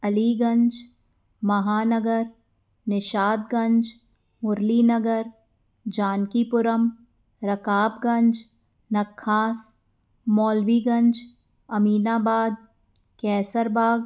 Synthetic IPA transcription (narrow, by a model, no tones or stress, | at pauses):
ɐliːɡɐ̃ɲd͡ʒ | mɐɦaːnəɡəɾ | nɪʃaːd̪ɡɐ̃ɲd͡ʒ | mʊɾliːnɐɡəɾ | d͡ʒaːnkipʊɾəm | ɾɐkaːbɡɐ̃ɲd͡ʒ | nɐkʰːaːs | mɔːlʋiːɡɐ̃ɲd͡ʒ | ɐmiːnaːbaːd̪̚ | kɛːsəɾbaːɡ